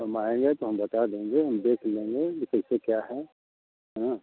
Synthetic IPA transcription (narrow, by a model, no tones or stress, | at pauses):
ɐmaːẽːŋɡet̪oɦɐmbɐt̪ad̪ẽːŋɡeɦɐmd̪eːkʰlẽːŋɡeɪsəsekjaːɦɛ | ɦãː